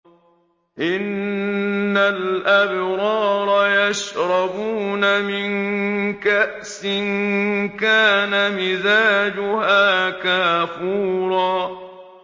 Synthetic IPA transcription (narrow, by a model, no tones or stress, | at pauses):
ʔɪnː | alʔabɾɑːɾˤɑjaʃɾˤɑbuːnamɪnkaʔsɪnkaːnamɪzaːd͡ʒʊhaːkaːfuːɾˤɑː